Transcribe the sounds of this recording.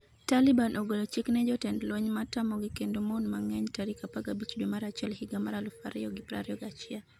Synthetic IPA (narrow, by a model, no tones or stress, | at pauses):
talibanʔoɡolot͡ʃiknɛd͡ʒɔtɛndlwoɲmatamɔɡikendomonmaŋɛɲtaɾikapaɡabit͡ʃdwemaɾat͡ʃɪɛlhiɡamaɾalufa̰ɾɪ̰ɔɡipɾa̰ɾɛɔɡat͡ʃɪa